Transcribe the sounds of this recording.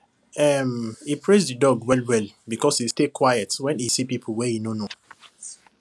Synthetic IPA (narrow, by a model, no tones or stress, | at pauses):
ɛmipʰɹesdidɔɡwɛlwɛlbikɔshistekʰwajətwɛ̃nisipipʰəwɛhinono